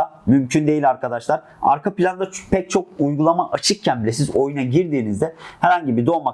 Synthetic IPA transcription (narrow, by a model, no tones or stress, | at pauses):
amymcʰynd̪e̞jilʲaɾkad̪aʃlˠaɾ | a̰ɾkapilʲand̪apʰɛc̚t͡ʃʰo̞k̚ujɡulˠamaʔat͡ʃʰɯk̚cʰænbilʲes̬izo̞junaɟiɾd̪iːnizd̪ɛhɛɾhaɲɟibid̪oma